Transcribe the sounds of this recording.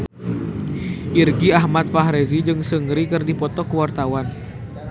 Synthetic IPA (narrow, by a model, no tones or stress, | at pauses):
ʔirɡiaɦmat̪̚faɦɾɛzid͡ʒɨŋsəŋɾikɨrdipɔt̪ɔkəwart̪awan